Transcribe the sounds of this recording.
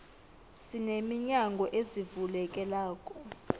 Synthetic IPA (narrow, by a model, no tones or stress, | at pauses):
sinemiɲaŋɡʱɔʔezivulɛkʼɛlaːkʼɔ